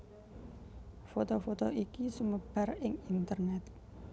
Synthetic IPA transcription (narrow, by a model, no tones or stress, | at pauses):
fot̪ofot̪oikisuməb̥arɪŋint̪ərnɛt̪̚